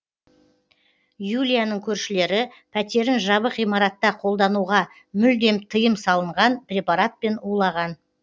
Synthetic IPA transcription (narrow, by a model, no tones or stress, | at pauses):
julʲijanəɴkʲʰɵɾʃɪle̞ɾɪ | pʰæt̪e̞ɾɪnʒɑβəqijmɑɾɑt̪ːɑqʰo̞lˠd̪ɑnuʁɑ | mʏld̪e̞mt̪ʰəjəmsɑlˠəɴʁɑnprʲe̞paɾat̪̚pe̞nulˠɑʁɑn